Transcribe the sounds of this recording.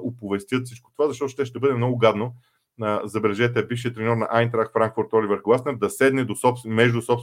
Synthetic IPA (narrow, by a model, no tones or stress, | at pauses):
ʔopovɛst̪ʲjɤt̪fsit͡ʃko̥t̪ovazɐʃt̪ɔt̪ʊ̥ʃt̪ɛʃt̪ɛbɤd̪ɛmnɔɡʊɡad̪no | əzɐbɛlɛʒɛt̪ɛbifʃiət̪ɾɛnɔɾnɐ̰ʔajnt̪ɾakfɾaŋkfʊɾt̪ɔlivəɾɡlˠasnɛɾd̪ɐsɛd̪nɛd̪osɔpsmɛʒd̪ʊsɔps